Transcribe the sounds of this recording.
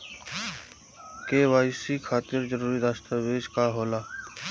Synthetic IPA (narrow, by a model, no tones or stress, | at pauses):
keːʋaːɪsikʰaːt̪ɪɾd͡ʒəɾuːɾiɾaːst̪əʋeːd͡ʒkaɦoːlaː